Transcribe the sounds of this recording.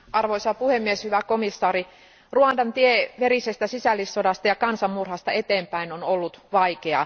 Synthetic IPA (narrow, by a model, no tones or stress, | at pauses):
ʔɑrʋoisɑpuhemːieshyʋækomisːɑːri | ruɑndɑnt̪ieʋerisest̪æsisælːisːodɑst̪ɑjɑkɑnsɑmmurhɑst̪ɑet̪eːmpæinonolːut̪ʋɑikeɑ̰